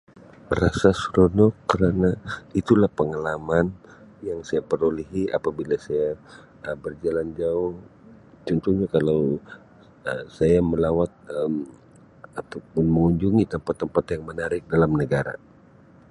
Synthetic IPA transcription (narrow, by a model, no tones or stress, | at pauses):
rasasɾonɔkəɾanait̪ulahpəŋalamanjaŋsajapəɾuliɦia̰pabilasaja | əbərd͡ʒaland͡ʒaʊh | t͡ʃɔnt̪uhɲakalaw | əsajaməlawat̪̚əm | at̪awpʊnməŋuɲd͡ʒuŋit̪əmpat̪ːəmpat̪jaŋmənaɾɪk̚dalamnəɡaɾa̰